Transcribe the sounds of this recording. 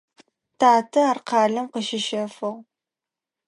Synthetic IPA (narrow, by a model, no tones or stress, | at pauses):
tʰaːtʰɐarqɑːɮɐmqəʃɪʃɐfɨʁ